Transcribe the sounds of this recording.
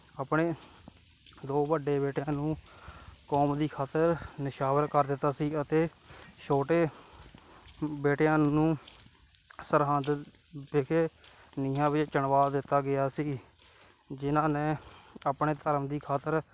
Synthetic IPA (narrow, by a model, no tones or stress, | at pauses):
əːpɳeː | d̪oːbəɖeːbeːʈjãːnũː | kɔːmd̪iːkʰaːt̪əɾnɪʃaːʋəɾkəɾd̪ɪt̪ːaːsiːət̪eːʃʰoːʈeː | beːʈjãːnũː | səɾɦãːd̪ | bɪkʰeː | niːɦãːʋɪd͡ʒt͡ʃəɳʋaːd̪ɪt̪ːaːɡɪjaːsiː | d͡ʒɪnãːnẽːəpɳeːt̪əɾəmd̪iːkʰaːt̪əɾ